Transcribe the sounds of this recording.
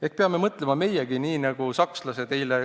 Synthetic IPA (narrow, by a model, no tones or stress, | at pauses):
ek̚peɑme̞mɤt̪ːˑle̞mɑme̞jeɡ̥iniːnɑɡ̥usɑkslɑsed̪e̞jle